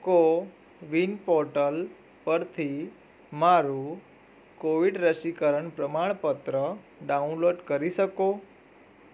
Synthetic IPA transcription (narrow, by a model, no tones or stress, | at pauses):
ko | ʋinpɔɾʈəl | pəɾt̪ʰi | maɾu | koʋiɖɾəɕikəɾəɳpɾəmaɭ̃pət̪ɾə | ɖaunloʈkəɾisəko